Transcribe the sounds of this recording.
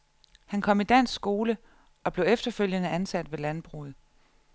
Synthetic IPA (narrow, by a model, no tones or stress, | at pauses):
hænkʰɒ̽mid̥æn̰sɡ̥o̝ːlə | ɒ̽b̥le̝ʊefd̥ɐføl̰jənəʔænsæd̥ʋe̝lænb̥ʁṵð̩ˠ